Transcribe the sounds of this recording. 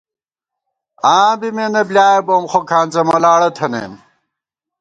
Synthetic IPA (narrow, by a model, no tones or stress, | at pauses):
ãːbimenɐblʲjaːjebomχokʰaːnt͡sɐmɐlaːɽɐt̪ʰɐnḛm